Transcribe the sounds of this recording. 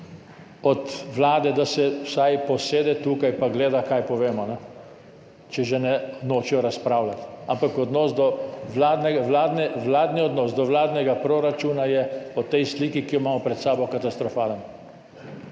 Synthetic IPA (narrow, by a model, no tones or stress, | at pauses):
ɔt̪ʋlaːd̪ɛd̪asɛwsajpɔseːd̪ɛt̪uːkajpaɡleːd̪akajpɔʋeːmɔnɛ | t͡ʃɛʒɛnɛnoːt͡ʃijɔɾaspɾaːwlat̪ampakɔd̪nɔːsd̪ɔʋlaːd̪nɛɡaʋlaːd̪nɛʋlaːd̪niɔd̪nɔːsd̪ɔʋlaːd̪nɛɡapɾoɾat͡ʃuːnajɛɔt̪ɛjst̪liːkikijɔmaːmɔpɾɛt̪saːbɔkat̪ast̪ɾɔfaːlən